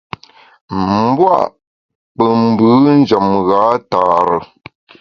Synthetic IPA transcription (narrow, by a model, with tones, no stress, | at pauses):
m̩˦bwa̰˦˨ʔ | pə˨m̩˨bɯː˨˦n̩˦d͡ʒə˨mɣa˨˦taː˨ɾə˨